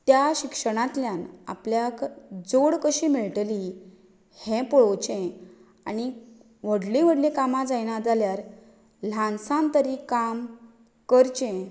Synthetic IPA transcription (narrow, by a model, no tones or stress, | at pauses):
t̪jaɕikʂəɽ̃ãt̪ljana̰pljakd͡zoɽkəɕiːmiɭʈli | hɛ̃pɔɭot͡ɕẽ | aɽi | ʋəɽlẽʋəɽlẽkamad͡zajnad͡zaljaɾ | l̤ãnsãnt̪əɾikam | kəɾt͡ɕẽ